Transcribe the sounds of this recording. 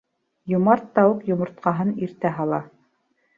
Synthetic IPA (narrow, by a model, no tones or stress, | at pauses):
jŭmɑɾt̪ːɑwɤqjŏmŏɾt̪̚qɑɦɤniɾt̪æɦɑlˠɑ